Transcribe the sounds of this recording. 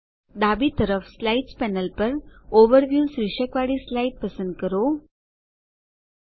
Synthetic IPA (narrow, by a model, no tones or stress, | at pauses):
d̪abiːt̪əɾəfslaiʈspɛnəlpəɾoʋəɾʋjuːsɾiʂəkʋaɽiːslaiʈ̚pəsənd̪̚kəɾo